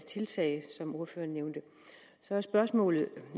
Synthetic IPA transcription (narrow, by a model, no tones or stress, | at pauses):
t͡sʰe̝lt͡sʰɛ̰ɪsɒ̽mo̝ɐføːɐnːeʊnd̥ə | sɒ̽æsb̥ɶɐsmɔ̰̽ːlð̩ˠ